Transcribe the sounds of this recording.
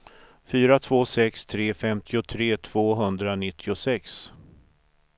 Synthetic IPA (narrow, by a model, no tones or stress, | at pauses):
fyːɾat̪ʰv̥oːsɛkst̪ʰɾeːfɛmt̪ʰɪʊt̪ʰɾeːt̪ʰv̥oːɦɵnd̪ɾanɪt̪ʰːɪʊsɛks